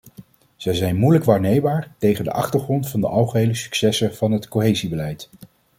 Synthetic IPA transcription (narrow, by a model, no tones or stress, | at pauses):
z̥ɛjzɛjnmujləkʋaːɹnejbaːɹtejχəndə̰ʔɑ̰χtəɹχrɔntfɑndə̰ʔɑlˠχəɦejləsy̥ksɛsəv̥ɑnɦətkoɦejzibəlɛjt